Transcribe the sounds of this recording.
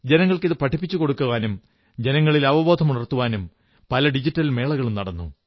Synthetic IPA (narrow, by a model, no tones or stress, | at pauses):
d͡ʑe̞nɐŋːɐɭkiðɨpɐʈʰipːit͡ɕːuko̞ɽukːuʋaːnum | d͡ʑe̞nɐŋːɐɭilɐʋɐbo̞ːd̪ʱɐmuɳɐrt̪uʋaːnum | pɐlɐɖid͡ʑitːɐlme̞ːɭɐɣɐɭumnɐɽɐnːṵ